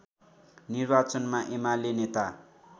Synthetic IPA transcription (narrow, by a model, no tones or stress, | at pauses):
nirbat͡sʌnmaʔemalenet̪a